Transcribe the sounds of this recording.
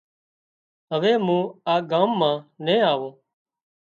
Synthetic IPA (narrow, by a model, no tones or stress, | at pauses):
ɦəʋeːmũːaːɡaːmːãːnẽːaːʋõː